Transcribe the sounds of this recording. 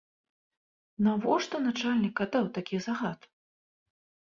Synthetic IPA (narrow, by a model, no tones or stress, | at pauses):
navɔʂt̪ɔnat͡ʂalʲnʲikːat̪awt̪akʲizaɣat̪